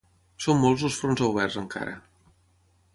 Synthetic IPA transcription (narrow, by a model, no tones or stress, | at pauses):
somːolˠzəlˠsfɾonzəwβ̞ɛrzəŋka̰ɾə̰